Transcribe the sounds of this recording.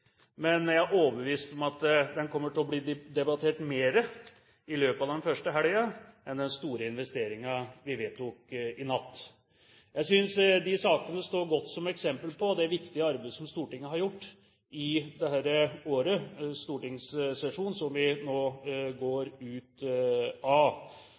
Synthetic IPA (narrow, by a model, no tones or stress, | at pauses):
mɛnæɪæoːbəʋiːst̪ɔmɑt̪d̪ɛnkʰɔmːəʈɪlɔbliːd̪ɛbɑt̪ʰeːʈmeːɾə | ɪløːpəɑʋd̪ɛnfœʂʈəɦæljɑɛnd̪ɛnst̪uːɾəɪnʋɛst̪eːɾɪŋɑʋɪʋeːt̪ʰːukɪnɑt̪ː | jæɪsʏnsd̪ɪsɑːkənəst̪oːɾɡɔt̪ːsɔmɛksɛmpəlpʰɔd̪ɛæɾʋɪkt̪ɪəɑɾbeɪd̪əsɔmst̪uːʈɪŋːəɦɑɾjʊʈː | ɪd̪ɛhæɾəoːɾəst̪uːʈɪŋssɛʂuːnsɔmʋɪnoːɡoːɾʉːt̪ | ɑ